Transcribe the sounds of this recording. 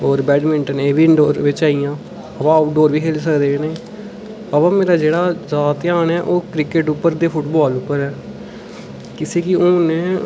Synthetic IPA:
ɔːɾbɛːɖmɪɳʈəneːbiɳɖoːɾʋɪt͡ʃaːiːjãː | əpãːəpɖoːɾʋiːkʰeːlsəkd̪eːnẽː | aːpãːmeːɾaːd͡ʒeːɽaːzaːt̪ɪaːnɛːʔoːkɾɪkɪʈʊpːəɾd̪eːpʰʊʈbɔːlʊpːəɾɛː | kɪseːkɪõːnẽː

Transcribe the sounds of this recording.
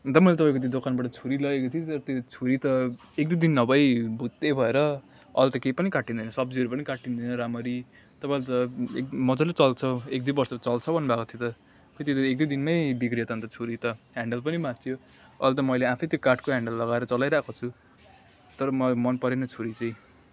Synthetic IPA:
t̪ʌmʌilet̪ʌpaĩkot̪̬jod̪okʰanbaʈʌt͡sʰuɾilʌekot̪ʰit̪ʌɾʌt̪jot͡sʰuɾit̪ʌ | ek̚d̪ujd̪inːʌbʱʌjbʱut̪ːebʱʌeɾʌ | ʌlt̪ʌkepʌnikaʈind̪ʌjnʌsʌb̚d͡ziɦʌɾupʌnikaʈind̪ʌjnʌɾamʌɾi | t̪ʌpaĩlt̪ʌḛkmʌd͡zʌlet͡sʌlt͡sʰʌek̚d̪uibʌrsʌt͡sʌlt͡sʰʌbʱʌnːbʱakot̪ʰjot̪ʌ | ket̪et̪ek̚d̪ujd̪inmʌjbikrijʌt̪ʌnt̪ʌt͡sʰuɾit̪ʌɦaɳɖʌlpʌnimãt̪t̪ʰjo | ʌlt̪̬ʌmʌjleapʰʌjt̪jokaʈʰkoɦãɳɖʌlːʌɡaeɾʌt͡sʌlajɾakʰot͡sʰu | t̪ʌɾʌmʌmʌnpʌɾenʌt͡sʰuɾit͡saĩ

